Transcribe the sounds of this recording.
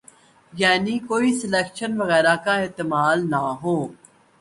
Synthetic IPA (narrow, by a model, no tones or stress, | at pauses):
jaːnikoːisɪleːkʃənʋɐɣɛːɾakaeːt̪ɪmaːlnaɦoː